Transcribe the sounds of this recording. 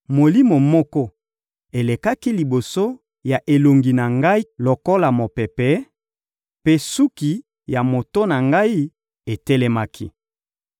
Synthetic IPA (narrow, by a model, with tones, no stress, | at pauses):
mo˨li˦mo˨mɔ˦kɔ˦ | e˨le˨ka˦ki˦li˨bo˨so˦ | ja˨ʔe˨lo˨ŋɡi˨na˨ŋɡa˦i˦lo˨ko˦la˨mo˨pɛ˨pɛ˦ | pe˦su˦ki˨ | ja˨mo˨to˦na˨ŋɡa˦i˦ | e˨tɛ˦lɛ˦ma˦kʰḭ˦